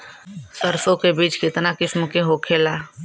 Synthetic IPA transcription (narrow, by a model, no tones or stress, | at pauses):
səɾsõkebiːt͡ʃkɪt̪nakɪsmkeɦoːkʰeːlaː